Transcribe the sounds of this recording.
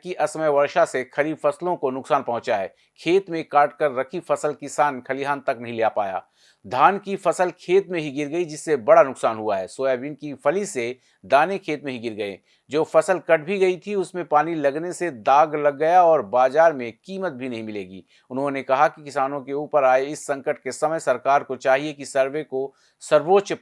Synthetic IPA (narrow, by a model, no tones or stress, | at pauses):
kiʔɐsməjʋɐɾʃasexɐɾiːbfɐslõkonʊksaːnpɐɦʊ̃t͡ʃaɦɛ̰ː | kʰeːt̪mẽkaːʈkɐɾːɐkʰifɐsəlkɪsaːnkʰɐliɦaːnt̪ɐknɐɦĩleːjapa̰ːja̰ː | d̪ʱaːnkifɐsəlkʰeːt̪mẽɦiɡɪɾɡɐid͡ʒɪsːebɐɽanʊksaːnɦuaɦɛːsoːjaʋɪnkipʰɐlise | d̪aːnekʰeːt̪mẽɦiɡɪɾɡɐḛ̃ː | d͡ʒoːfɐsəlkɐʈ̚ʰbʱiɡɐit̪ʰiʊsmẽpaːnilɐɡnesed̪aːɡlɐɡːɐjaɔːɾbaːzaːɾmẽkiːmət̪̚bʱinɐɦĩmɪleːɡḭː | ʊnɦõnekɐɦakikɪsaːnõkeuːpəɾaːeɪsːɐ̃ŋkəʈ̚kesɐməjsɐɾkaːɾkot͡ʃaːɦiekisɐɾweko | sɐɾʋoːtːt͡ʃ